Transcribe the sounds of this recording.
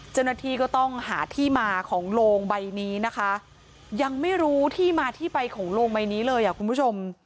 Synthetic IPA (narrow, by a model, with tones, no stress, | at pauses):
t͡ɕa˥˩wna˧t̪ʰiː˥˩kɔː˥˩t̪ɔ˥˩ŋhaː˩˦t̪ʰiː˥˩maː˧kʰɔː˩˦ŋloː˧ŋba˧jniː˦˥na˦˥kʰa˦˥ | ja˧ŋma˥˩jɾuː˦˥t̪ʰiː˥˩maː˧t̪ʰiː˥˩pa˧jkʰɔː˩˦ŋloː˧ŋba˧jniː˦˥lɤː˧jʔa˨˩kʰu˧npʰu˥˩t͡ɕʰo˧m